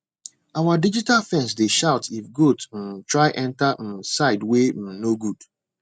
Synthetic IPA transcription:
awadid͡ʒitalfɛ̃ns̬deʃaʊtʰifɡot̩tɹaɪʔɛ̃ntam̩saɪdwenoɡud̥

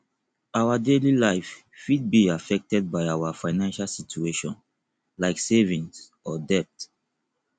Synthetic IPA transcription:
awadelilaɪf | fid̚biafɛk̚tɛd̚baɪawafãɪnãnʃalsit͡ʃueʃɔ̰̃n | laɪksevĩns | ɔdɛp̚t

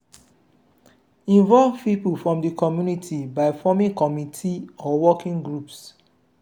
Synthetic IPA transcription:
ĩnvɔlvpipulfɹɔ̃mdəkʰɔmjunitʰibaɪfɔmĩkɔmitʰiɔwɔkĩŋɡɹups

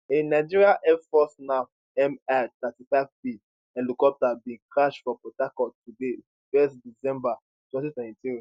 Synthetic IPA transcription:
ẽnaɪd͡ʒiɹiaʔɛfɔsnã | ɛmɛt̪ɛtifaɪvpi | ɛlukɔp̚tabĩkʰɹaʃfɔpɔtakɔtude | fɛsdisɛ̃mba | twɛ̃ntitwɛ̃ntitĩn

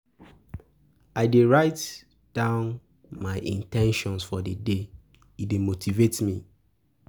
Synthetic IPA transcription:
aɪdeɹaɪt | d̥ãʊ̃n | maɪʔḭ̃ntɛ̃nʃɔ̃nsfɔdəde | idemotʰivetmḭ

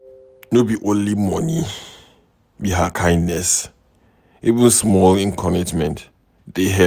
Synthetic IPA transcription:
nobiʔõnlimɔ̃ni | biɦakʰãj̃ndnɛs | ivũnsmɔlĩnkʰɔnid͡ʒmɛ̃nt | deɦɛ

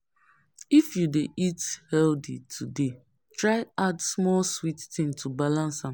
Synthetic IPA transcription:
ifjudeʔithɛldḭtʰude | tɹaɪadsmɔlswittɪ̃ŋtʰubalãnsãm

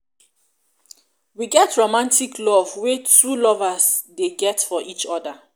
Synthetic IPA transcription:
wiɡɛtɹomãntikʰlɔvwetɹulɔvasdeɡɛtfɔʔit͡ʃɔda

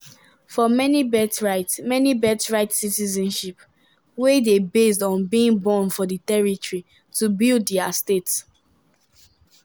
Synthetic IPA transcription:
fɔmɛnibɛtɹaɪtmɛnibɛtɹaɪtsitizɛ̃nʃip | wedebes̬dɔ̃nbĩĩŋbɔ̃nfɔditɛɹitɔɹi | tubilddiastets

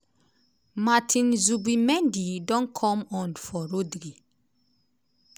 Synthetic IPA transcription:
matʰĩnzubimɛ̃ndidɔ̃nkʰɔ̃mɔ̃nfɔɾodɾi

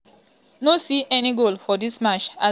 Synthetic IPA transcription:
nosiʔɛniɡolfɔdismat͡ʃa

